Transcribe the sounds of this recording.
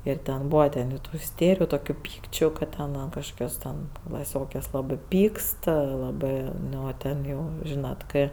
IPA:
ɪr ˈtʲɛn ˈbuːʋɐ tʲɛn jɛʊ ˈtuː ɪˈsʲtʲeːrʲɪjʊ toːˈkʲuː ˈpʲiːkt͡ʃʲʊ kɐt ˈtʲɛn ˈɐn kɐʃˈkoːkʲoːs tʲɛn klˠɐˈsʲoːkʲɛs lˠɐˈbɜ ˈpʲiːkst lˠɐˈbɜ ˈnʊ ˈtʲɛn jɛʊ ˈʒʲiːnɐt ˈkɜ

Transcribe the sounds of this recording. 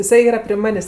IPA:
ɪˈsɐɪ ˈiːrɐ pʲrʲɪ ˈmɑːnʲeːsʲ

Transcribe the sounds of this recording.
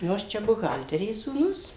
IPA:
ˈnʊ ɐʃ ˈt͡ʃʲɛ bʊˈɣɐlʲtʲɛrʲeːs suːˈnʊs

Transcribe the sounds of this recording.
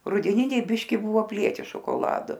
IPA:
rʊdʲɛˈnʲɪnʲɛɪ ˈbʲɪʃʲkʲɪ ˈbʊʋoː ɐpʲˈlʲiɛtʲɪ ʃoːkoːˈlˠɑːdʊ

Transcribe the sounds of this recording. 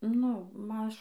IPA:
nʊ ˈmɐʃ

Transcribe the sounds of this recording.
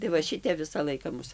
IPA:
tɐɪ ʋɐ ˈʃʲɪtʲɛp ˈʋʲɪsɐ ˈlˠɐɪkɐ ˈmʊs

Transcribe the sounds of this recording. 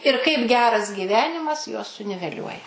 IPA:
ɪr kɐɪp ˈɡʲæːrɐs ɡʲiːˈʋʲæːnʲɪmɐs juɔs sʊnʲɪʋʲɛˈlʲuɔjɛ

